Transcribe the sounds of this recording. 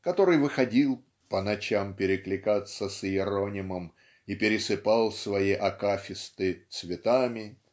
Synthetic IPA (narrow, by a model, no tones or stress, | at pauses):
kɐt̪o̞ɾɨjvɨxɐdʲilˠ | pənɐt͡ɕampʲɪɾʲɪklʲɪkat̪səsɪɾonʲɪməm | ipʲɪɾʲɪsɨpalˠsvɐjiʔɐkafʲɪst̪ɨt̪svʲɪt̪amʲɪ